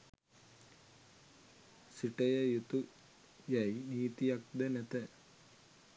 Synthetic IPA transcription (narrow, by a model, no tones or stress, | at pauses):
siʈɐjɐjut̪u | jɐjniːt̪ijɐk̚d̪ɐnet̪ɐ